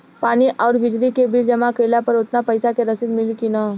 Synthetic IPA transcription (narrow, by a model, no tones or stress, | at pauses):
paːniʔɔːɾbɪd͡ʒlikebɪld͡ʒɐmakeːlapɐɾʊt̪napɐɪsakeɾɐsɪd̪mɪlkinɔː